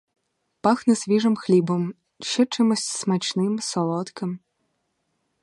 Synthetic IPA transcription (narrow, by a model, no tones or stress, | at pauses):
paxnɐsʲvʲiʐɐmxlʲibɐm | ʃɛt͡ʂɨmɐsʲsmat͡ʃnɨmsɔlˠɔt̪kɐm